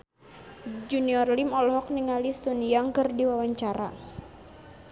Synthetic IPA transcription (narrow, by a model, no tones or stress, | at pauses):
d͡ʒuniɔrlimɔlɦɔk̚niŋalisuniaŋkɨrdiwawaɲt͡ʃaɾa̰